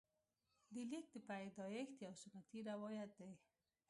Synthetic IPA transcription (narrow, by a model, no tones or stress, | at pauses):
d̪əlik̚d̪əpajd̪ɑjext̪jawsʊnat̪iɾawɔjat̪̚d̪aj